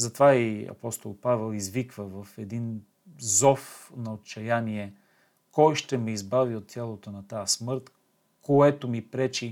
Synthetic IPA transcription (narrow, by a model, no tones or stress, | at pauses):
zɐt̪vaiɐ̰pɔst̪olˠpavɛlˠizvikvəvɐfɛd̪in | zɔfnɐot̪t͡ʃɐjaniɛ | kɔjʃt̪ɛmɛizbaviot̪ːʲjalˠot̪onɐt̪asmɤɾt̪ | koɛt̪omipɾɛt͡ʃi